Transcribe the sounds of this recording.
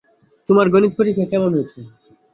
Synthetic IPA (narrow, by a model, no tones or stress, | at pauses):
t̪omaɾɡonit̪̚poɾikʰekɛmonojt͡ɕʰe